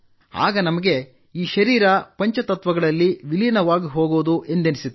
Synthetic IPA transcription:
a̰ːɡɐnɐmɐɡe̞ | iːʃɐɾiːɾɐpɐɲt͡ʃɐt̪ɐt̪ʋɐɡɐɭɐlːiʋilinɐʋaːɡiɦo̞ːɡoːd̪uʔe̞nd̪enisit̪ː

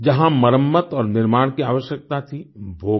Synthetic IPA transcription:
d͡ʒɐɦãmɐɾəmːət̪ɔːɾnɪɾmaːɽ̃kiaːʋəʃjək̚t̪at̪ʰibʱoː

